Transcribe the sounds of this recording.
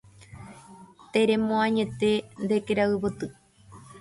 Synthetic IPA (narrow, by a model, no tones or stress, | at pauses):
t̪eɾemõãɲe̞t̪e̞nd̪ekeɾaɨβot̪ɨ